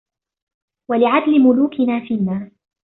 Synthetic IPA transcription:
walɪʕad̪lɪmʊluːkʰɪnaːfiːnːaː

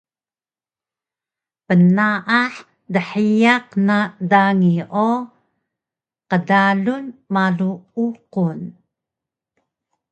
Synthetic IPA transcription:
pənaʔaħ | dəħijaqnadaŋiʔo | qədaɮunmaɮuuqun

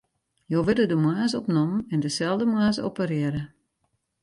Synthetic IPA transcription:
joʋɪdədəmwaːzəɔpnoməɛndəsɛlˠdəmwaːzopərɪəɾə

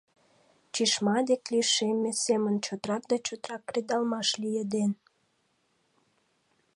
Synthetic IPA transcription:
t͡ɕiʃmɑd̪ekliʃemesemənt͡ɕot̪ɾɑk̚d̪ɑt͡ɕot̪ɾɑkːred̪ɑlmɑʃlijed̪en

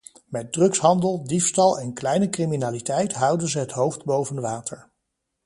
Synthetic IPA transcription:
mɛt̚drɵksɦɑndəlˠdifstɑlˠɛnklɛjnəkriminaːlitɛjtɦʌwdənzəɦətɦowfdbowvənʋaːtəɹ

